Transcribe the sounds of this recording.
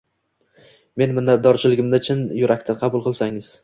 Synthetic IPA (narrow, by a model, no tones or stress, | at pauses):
me̞nmɪnːat̪̚d̪ɒɾt͡ʃʰɪlɪɡʲɪmd̪at͡ʃʰɪnjʊɾakʲt̪ʰanqʰɑbʊlˠqʰɨlˠsaŋɪz̥